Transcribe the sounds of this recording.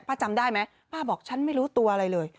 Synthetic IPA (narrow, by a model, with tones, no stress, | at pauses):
pʰaː˥˩t͡ɕa˧mdaː˥˩jma˦˥j | paː˥˩bɔː˨˩k̚t͡ɕʰa˦˥nma˥˩jɾuː˦˥t̪u˧ɐʔa˧ɾa˧jlɤː˧j